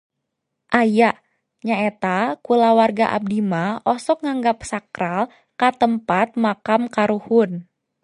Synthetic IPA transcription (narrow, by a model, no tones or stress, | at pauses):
ʔajaʔ | ɲaet̪akulawarɡaʔa̰b̚dimaʔɔsɔk̚ŋaŋɡap̚sakɾal | kat̪əmpat̪̚makamkaɾuhʊn